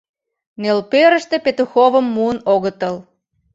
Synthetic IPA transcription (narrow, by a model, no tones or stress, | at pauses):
nelpøɾə̆ʃt̪epet̪uxoβəmːuənoɣət̪əl